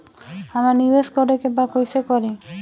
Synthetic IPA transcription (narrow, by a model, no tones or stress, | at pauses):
amanibesɡɔɖekebakojsekɔɾi